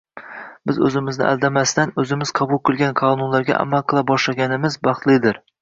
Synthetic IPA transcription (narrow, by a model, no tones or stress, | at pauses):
bɪzɵzɪmɪznɪ̰ʔa̰lˠd̪amast̪anɵzɪmɪz̥qʰɑbʊlˠkʰʲʊlˠɡʲankʰonunlaɾɡʲa̰ʔa̰malˠqʰɨlˠabɒʃlaɡʲanɪmɪzbɑχt̪lˠɪd̪ɪɾ